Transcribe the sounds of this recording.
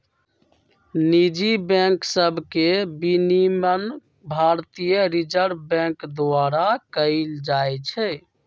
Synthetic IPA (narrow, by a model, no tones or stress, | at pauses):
nid͡ʒibɛ̃ŋksəbʱkebinimən | bʱaɾt̪ijəɾid͡ʒəɾbɛ̃ŋkd̪aɾakəɪld͡ʒajt͡ʃʰɛ